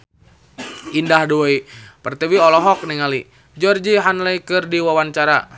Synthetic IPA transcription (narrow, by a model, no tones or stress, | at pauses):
indahduipərt̪iwiɔlɔɦɔk̚niŋali | d͡ʒɔrd͡ʒiɦanlɛikɨrdiwawant͡ʃaɾa̰